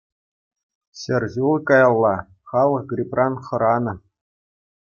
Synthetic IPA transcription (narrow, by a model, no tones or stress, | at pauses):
ɕɘ̆rʲʑulˠkɑjɑlˠːɑ | χɑlˠɤ̆χɡrʲiprɑnχɤ̆ɾɑnɤ̆